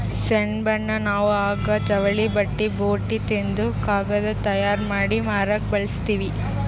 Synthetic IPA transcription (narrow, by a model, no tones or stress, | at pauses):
seɳbɐɳːɐnaːʋuaːɡɐt͡ʃɐʋɐɭibɐʈːiboːʈːit̪end̪ukaːɡɐd̪ɐt̪ɐjaːɾmaːɽimaːɾɐːk̚bɐɭɐst̪iːʋi